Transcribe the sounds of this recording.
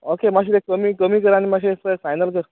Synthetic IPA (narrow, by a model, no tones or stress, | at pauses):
okemaɕ̬iɾekəmiːkəmiːkəɾaɽ̃imaɕesəekfajnəlkəɾ